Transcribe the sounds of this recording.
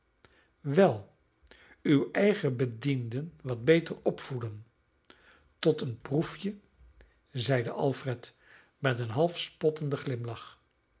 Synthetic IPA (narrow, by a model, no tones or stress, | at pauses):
ʋɛlˠ | ywɛjχəbədindənʋɑd̚bejtərɔpfulən | tɔtənprufjə | zɛjdəʔɑlˠfrɛt | mɛtənɦɑlˠfspɔtəndəχlɪmlɑχ